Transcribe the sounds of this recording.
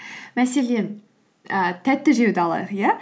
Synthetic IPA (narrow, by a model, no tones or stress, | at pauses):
mæse̞len | ət̪ʰæt̪ːɪʒewd̪ɪɑlˠɑ̰d̪əqja